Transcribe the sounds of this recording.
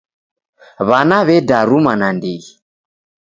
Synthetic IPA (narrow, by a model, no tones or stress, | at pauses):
βanaβɛdaɾumanandiɣi